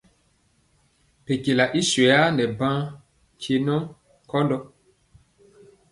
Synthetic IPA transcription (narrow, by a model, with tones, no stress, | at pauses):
pe˨ke˨la˨ʔi˦swɛ˨ja˦nɛ˨bã˦ | kʰe˨nɔ˦ | kɔ˦ndɔ˦